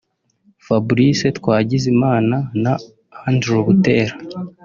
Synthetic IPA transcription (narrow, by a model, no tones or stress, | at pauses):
fabuɾise̞tkwaːɟizimaːnana | andɾoβuteːɾa